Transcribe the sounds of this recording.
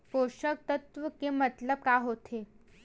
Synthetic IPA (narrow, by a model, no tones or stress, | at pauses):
poʃək̚t̪ət̪ʋəkemət̪ləb̚kaɦot̪ʰe